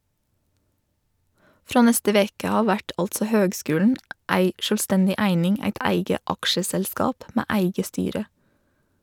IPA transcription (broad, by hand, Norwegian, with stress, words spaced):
ˈfɾɑː ˈnɛstə ˈʋeːkə ˈɑː ˈʋæʈ ˈɑltsə ˈhøːɡˌskʉːln ˈæɪ ˈʃœlˌstɛndɪ ˈæɪnɪŋ ˈæɪt ˈæɪɡə ˈɑkʃəsɛlˌskɑːp ˈmæː ˈæɪɡə ˈstyːɾə